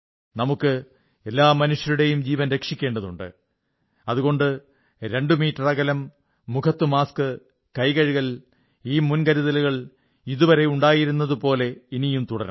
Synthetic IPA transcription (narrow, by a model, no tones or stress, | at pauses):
nɐmukːɨ | e̞lːaːmɐnuʂjɐɾuɽe̞jumd͡ʑiːʋɐnɾe̞kʂikʲːe̞ːɳɖɐðuɳɖɨ̰ | ɐðuɣo̞ɳɖɨ | ɾe̞ɳɖumiːtːɐrɐɣɐlɐmː | ukʰɐt̪ːɨmaːskɨ | kɐjɣɐɻiɣɐl | iːmunkɐɾiðɐluɣɐɭ | iðuʋɐɾe̞uɳɖaːjiɾunːɐðupo̞ːle̞inijumt̪uɽɐɾɐ̰